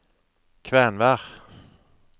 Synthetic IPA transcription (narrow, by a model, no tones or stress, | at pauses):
kʰvɛnvæʁ